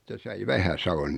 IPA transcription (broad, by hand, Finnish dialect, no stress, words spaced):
se sɑi ʋæhæsɑʋon